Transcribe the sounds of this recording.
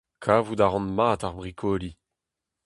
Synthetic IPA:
kʰaːvudaʁɑ̃nmaːtaʁbʁikʰɔli

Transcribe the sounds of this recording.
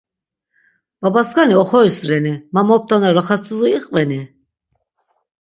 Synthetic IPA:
b̥abaskaniɔχɔisɾɛnimamɔp̚t̪ʰʼanaɾaχat͡sʰʼuzuiqʼvɛni

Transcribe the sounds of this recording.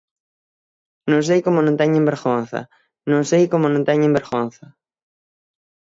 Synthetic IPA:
nõŋs̬ejkomʊnõnt̪ɛɲẽmbeɾɣon̟θɐ̰ | nõŋsejkomʊnõnt̪ɛɲẽmbeɾɣonθɐ

